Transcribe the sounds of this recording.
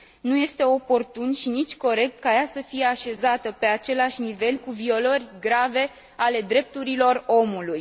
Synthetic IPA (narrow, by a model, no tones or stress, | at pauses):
nuje̞st̪e̞o̞po̞rt̪unʃinit͡ʃʲko̞ɾe̞k̚t̪̚kajasəfije̞aʃe̞zat̪əpe̞at͡ʃe̞laʃʲnive̞lkuvio̞lərʲɡɾave̞ | ale̞d̪ɾe̞p̚t̪uɾilo̞ro̞muluj